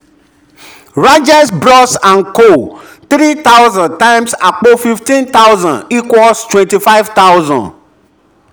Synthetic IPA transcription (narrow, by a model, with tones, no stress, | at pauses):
ɹa˦d͡ʒɛ˦sbɾɔ˦sã˨nko˦ | t̪ɾi˦t̪a˦wzãnd̚tã˦ɪmsa˨k͡po˦fi˨ftĩ˦nt̪a˦wzã˨ni˦kwɔlstwɛ̃nti˨fa˦ɪvt̪a˦wzɔ̰̃˨nd